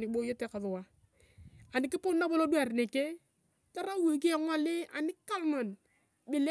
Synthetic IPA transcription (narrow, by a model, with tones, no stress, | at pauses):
nɪ˨bo˦jo˦te˦ka˨ðʊ˨wa˦ | a˨nɪ˨kɪ˦pʊ˦nːa˦bo˦lo˦du˦a˨rne˨ke˦ | ta˦ɾa˦wo˨k̬i˦ɛ˨ŋɔ˦lɪ˦a̰˨nɪ˦ka˦lmɔ˨n | bɪ˨le˦